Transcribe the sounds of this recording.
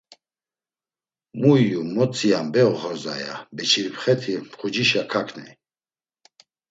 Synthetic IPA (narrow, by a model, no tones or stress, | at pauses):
muːumɔt͡sʰʼijambɛɔχɔɾza̰ja̰bɛt͡ʃʰiɾpχɛt̪ʰipχud͡ʒiʃakʰakʰnɛ